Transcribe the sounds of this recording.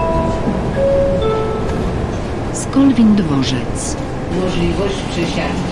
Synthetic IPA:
skɔlvʲind̪vɔʐɛt̪s | mɔʐlʲivɔɕt͡ɕpʂɛɕa

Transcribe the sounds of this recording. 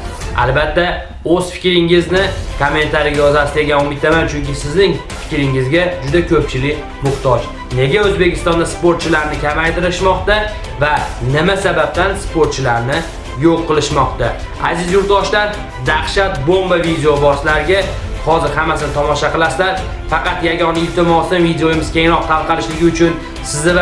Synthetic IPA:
a̰lbat̪ʰːa | ɵz̥fɪ̥kʲɾɪŋɪznɪkʰomːe̞nt̪ʰaɾɪɡʲajɒzasɪd̪e̞ɡʲanʊmɪt̪ːamant͡ʃʰʊŋkʲɪsɪznɪŋ | fɪ̥kʲɾɪŋɪzɡʲad͡ʒʊd̪akʲʰɵp̚t͡ʃʰɪlɪkʲ | mʊχt̪ʰɒt͡ʃ | ne̞ɡʲaɵzbe̞kʲɪst̪ɒnd̪aspoɾt̪̚t͡ʃʰɪlaɾnɪkʲʰamajt̪ɪɾɪʃmɒqt̪a | vanɪmasabap̚t̪anspʰoɾt̪̚t͡ʃʰɪlaɾnɪ | joqːɨlˠɪʃmɒqt̪a | azɪzjʊɾt̪d̪ɒʃlaɾ | d̪aχʃat̪bomvavid̪eobɒslaɾɪɡʲa | hɒzɪɾhamːasɪnɪt̪ʰɒmɒʃaqɨlˠaslaɾ | fɑqɑt̪jaɡʲɒnaɪlt̪ʰɪmɒsɪnvid̪eojɪmɪzkʲe̞ŋɾɒq̚t̪ʰalˠqɑlɪʃlɪɡʲɪʊt͡ʃʰʊn | sɪznɪv

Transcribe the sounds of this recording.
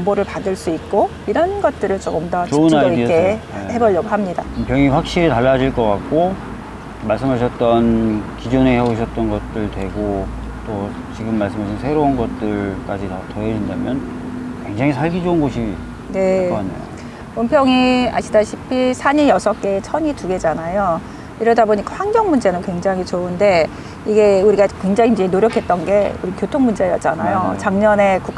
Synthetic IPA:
ŋboɾɯɭpadɯɭs͈uit̚k͈o | iɾʌnɡʌt̚t͈ɯɾɯɭt͡ɕoɡɯmdʌt͡ɕiounaidiehebʌɭːʌɡoɦamɲidaompʰjʌŋiɸwak̚ɕ͈iɾitaɭːad͡ʑiɭk͈ʌk͈ak̚k͈o | maɭs͈ɯmɦaɕ̬ʰʌt̚t͈ʌnkid͡ʑoneheboɕʰʌt̚t͈ʌnɡʌt̚t͈ɯɭtwe̞ɡo | t͈o | t͡ɕiɡɯmːaɭs͈ɯmɦaɕʰinsʰe̞ɾounɡʌt̚t͈ɯɭk͈ad͡ʑitʌtʌɦed͡ʑindamjʌnkwe̞ŋd͡ʑaŋisʰaɭɡid͡ʑounɡoɕʰi | ne̞ɲḛjo̰ | ompʰjʌŋia̰ɕʰidaɕʰipʰisʰaɲijʌsʰʌk͈e̞ːt͡ɕʰʌɲituɡe̞d͡ʑanajo | iɾʌdaboɲik͈aɸwaŋɡʌŋmund͡ʑenɯnkwe̞ŋd͡ʑaŋɦit͡ɕounde̞ | iɡe̞uɾiɡakwe̞ŋd͡ʑaŋid͡ʑeinoɾjʌkʰe̞t̚t͈ʌnɡe̞̰uɾikjotʰoŋmund͡ʑe̞jʌt̚t͡ɕ͈ana̰jot͡ɕaŋɲʌne̞kuk

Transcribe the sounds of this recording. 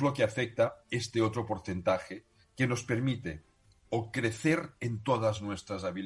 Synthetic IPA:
lokeafek̚t̪aest̪eot̪ɾopoɾθent̪axe | kenospeɾmit̪e | okɾeθeɾent̪oðaznwest̪ɾazaβil

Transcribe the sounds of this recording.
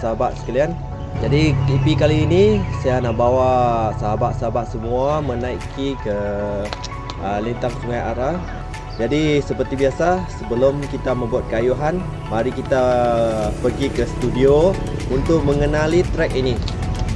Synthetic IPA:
saɦabat̪̚sə̥kalian | d͡ʒadit̪ipikaliːnisajanahbawasaɦabat̪̚saɦabat̪̚səmuamənaikʰikə | əlint̪aŋsuŋaja̰ɾa | d͡ʒadisəpərt̪ibiasasəbəlʊmkit̪amə̃mbuat̪̚kəajuɦan | maɾikit̪a | pəɡikəsə̥t̪udiount̪ʊʔ̚məŋənalit̪ɾɛk̚ini

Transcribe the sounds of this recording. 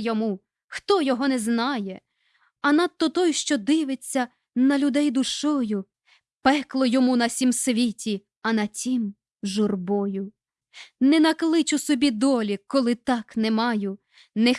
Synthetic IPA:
jɔmu | xt̪ɔjɔɦɔnɛznɑjɛ | ɐnɐt̪̚t̪ːɔt̪ɔjʃt͡ʃɔd̪ɪʋet͡sʲːɐ | nɐlʲʊd̪ɛjd̪ʊʃɔjʊ | pɛklˠɔjɔmunɐsʲimsʋʲitʲi | ɐnɐt͡sʲim | ʒʊrbɔjʊ | nɛnɐklˠɪt͡ʃʊsɔbʲid̪ɔlʲikɔlˠɪt̪ɑknɛmɑjʊ | nɛ

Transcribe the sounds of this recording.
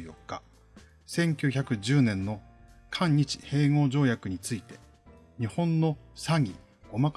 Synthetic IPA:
jo̞kːa | sẽ̞ŋkʲoçʲakɯ̟ʑɨːnẽ̞nːo̞ | kʰãɲ̟ːit͡ɕi̥he̞ːŋo̞ːʑo̞ːjakɯ̟ɲ̟it͡sɨit̪e̞ | ɲ̟ihõ̞nːo̞saɡʲi | ɡ̥o̞mak

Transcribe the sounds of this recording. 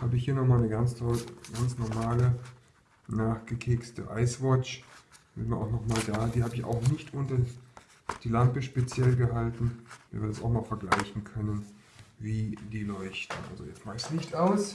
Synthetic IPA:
haːbəɪçhiːɐnɔχmaːlnəɡant͡stʰɔlɡ̥ant͡snɔɐmaːlə | naːχɡ̥əkʰeːkstə̰ʔa̰ɪsv̥ɔt͡ʃb̥ɪvɪɐʔa̰ʊxnɔχmaːldaːdiːɦaːbəɪça̰ʊxnɪçtʔʊntɐ | d̥iːlampəʃpet͡sjɛlɡəɦaltn̩miːɐvɪɐdasaʊxmaːlfɛɐɡlaɪçn̩kʰœnən | viːdiːlɔʏçtn̩ʔa̰lzo̰jɛt͡stmaːsnɪçtaʊs

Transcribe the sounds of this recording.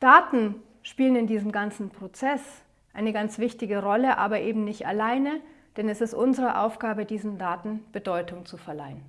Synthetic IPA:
d̥aːtn̩ | ʃpiːlənɪndiːzəm̩ɡant͡sn̩pʁ̥ot͡sɛs | ʔaɪnəɡant͡sv̥ɪçtɪɡəʁɔləʔa̰ːbɐʔeːbm̩nɪçtalaɪnəd̥ɛnɛsɪstʔʊnzəʁəʔa̰ʊfɡ̥aːbədiːzn̩daːtn̩b̥ədɔʏtʰʊŋt͡sufɛɐla̰ɪən

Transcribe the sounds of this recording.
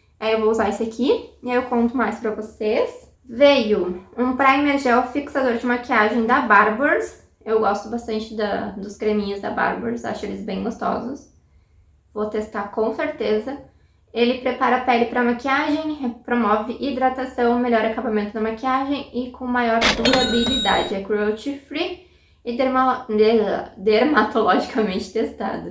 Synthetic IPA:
aewvouzaɾisʊakʰiiaewkõnt̪ʊmajspɾɐvoses | vejʊũpɾaimeɾʒɛwfiksad̪oɾd͡ʒɪmakiaʒẽj̃d̪ɐbaɾboɾs | ewɡɔst̪ʊbast̪ɐ̃nt͡ʃɪd̪ɐd̪ʊskɾemĩɲʊzd̪ɐ̰ba̰ɾboɾsa̰ʃʊelɪzbẽj̃ɡost̪ɔ̰zʊs | vot̪est̪akõw̃seɾt̪ezɐ | elɪpɾepaɾɐpɛlɪpɾɐmakiaʒẽj̃pɾomɔvɪʔid̪ɾat̪asɐ̃w̃ʊmeʎɔɾakabamẽnt̪ʊd̪ɐmakiaʒẽj̃ɪkʰõw̃majɔɾd̪uɾabilid̪a̰d͡ʒɪɛkuot͡ʃifɾi | ɪ | d̪eɾmat̪olɔʒikamẽnt͡ʃɪ̥t̪est̪a̰d̪ʊ

